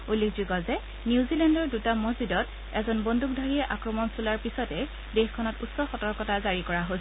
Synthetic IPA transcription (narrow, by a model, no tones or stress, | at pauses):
ulːekʰzuɡɔzɛ | niuzilɛndɔɹdutamozidɔt | ɛzɔnbonduk̚dʱaɹiɛʔakɹɔmɔnsulaɹpisɔtɛ | dexkʰɔnɔtutsɔxɔtɔɹkɔtazaɹikɔɹaɦos